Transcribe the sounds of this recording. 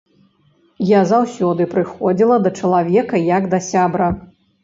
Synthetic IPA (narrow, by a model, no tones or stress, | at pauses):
jazawsʲɔd̪ɨpɾɨxɔd͡zʲilˠɐd̪ɐt͡ʂɐlˠavʲɛkɐjɐɡd̪ɐsʲabɾɐ